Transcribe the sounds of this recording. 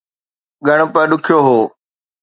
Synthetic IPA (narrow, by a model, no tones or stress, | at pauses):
ɠʱəɳ̃pə̃ːɗʊkʰɪjoːɦoː